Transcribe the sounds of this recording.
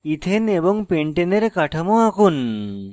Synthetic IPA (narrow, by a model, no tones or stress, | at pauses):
it̪ʰenebɔŋpeɳʈeneɾekaʈʰamoakun